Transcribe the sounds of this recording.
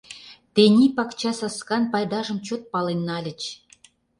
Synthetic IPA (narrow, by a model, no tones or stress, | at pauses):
t̪enʲipɑkt͡ɕɑsɑskɑnpɑjd̪ɑʒə̆mt͡ɕot̪̚pɑlenːɑlʲə̆t͡ɕ